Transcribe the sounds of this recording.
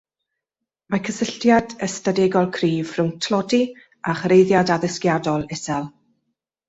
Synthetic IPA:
makʰəsəɬtjadəstadɛɡɔlˠkʰriːv̥rʊwntʰlˠɔdi | aχrejðjadaðəskjadɔlˠɛsɛlˠ

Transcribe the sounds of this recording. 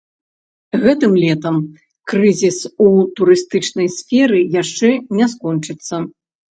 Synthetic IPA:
ɣɛt̪ɨmlʲɛt̪ɐm | kɾɨzʲisut̪uɾɨst̪ɨt͡ʂnɐjsʲfʲɛɾɨjaʂt͡ʂɛnʲɛskɔnt͡ʂɨt̪sːɐ

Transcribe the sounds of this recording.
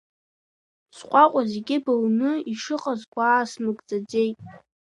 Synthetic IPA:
sqʷʼaqʷʼazeɡʲɪbawnɨiʂɨqʼazɡʷaːsmɨɡʼd͡zʼad͡ze̞jtʼ

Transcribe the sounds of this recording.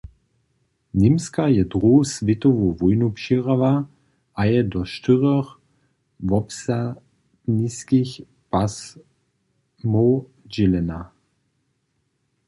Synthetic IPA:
nɪmskajɛd̪ʁosvɪt̪ɔvovɔjnupʃiʁava | ʔajɛdɔʃt̪ɪʁɔx | vɔpsa | dniskix | pas | mo | d͡ʒɛlɛna

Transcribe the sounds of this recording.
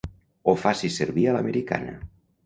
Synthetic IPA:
ofasiseɾβialameɾika̰na̰

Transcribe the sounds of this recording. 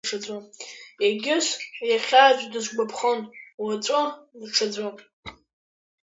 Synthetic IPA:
ʈ͡ʂʰad͡zʷamjaɡʲɪʃʷjaχʲaʒʷᶣdɨʒʷɡ͡bʷapʰχənwat͡sʷʼodʈ͡ʂʰad͡zʷam

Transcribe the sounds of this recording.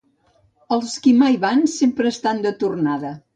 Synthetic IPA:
əlˠskimajβansempɾəːst̪and̪ət̪urnaðə

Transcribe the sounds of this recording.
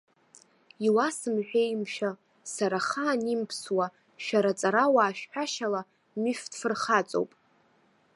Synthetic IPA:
iwasɨmħʷᶣejmʃᶣa | saɾaχaːnimpʰswa | ʃᶣaɾat͡sʼaɾawaːʃᶣħᶣaʃala | myfd̥fɨrχat͡sʼo̰wpʼ

